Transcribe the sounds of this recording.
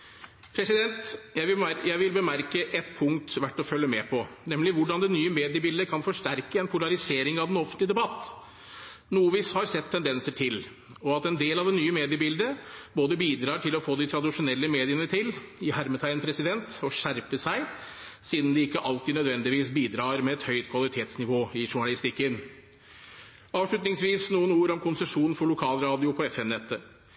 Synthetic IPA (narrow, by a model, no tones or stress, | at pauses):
pʰɾɛsɪd̪ɛnt̪jæjæɪʋɪlbəmæɾkəʔɛt̪pʰʊŋt̪ʋæʈːɔfœlːəmɛpʰɔnɛmlɪʋʊɖɑnd̪ɛnyːəmeːd̪ɪəbɪld̪əkʰɑnfɔʂʈæɾkəɛnpʰʊlɑɾɪseːɾɪŋɑʋd̪ɛnɔfənt̪lɪd̪ɛbɑt̪ː | nuːəʋiːshɑɾsɛt̪ʰːɛnd̪ɛnsəʈʰɪl | ɔɑt̪ɛnd̪eːlɑʋd̪ɛnyːəmeːd̪ɪəbɪld̪əboːd̪əbiːd̪ɾɑːʈʰɪlɔfoːd̪ɪt̪ʰɾɑd̪ɪʂʊnɛlːəmeːd̪ɪənəʈʰɪl | ɪhæɾmət̪ʰæɪənpʰɾɛsɪd̪ɛnt̪ɔɕæɾpəsæɪ | siːd̪n̩d̪ɛɪkːəʔɑlt̪ɪnœd̪ʋɛnd̪ɪʋiːsbiːd̪ɾɑːɾmɛɛt̪hœʏt̪kʰʋɑlɪt̪ʰeːt̪snɪʋoːɪʂʊɳɑlɪst̪ɪkːən | ɑːʋʂɭʉt̪nɪŋsʋiːsnuːənuːəɾɔmkʰʊnsɛʂuːnn̩fɔɭʊkʰɑːlɾɑːd̪ɪʊpʰɔɛfɛmnɛt̪ʰːə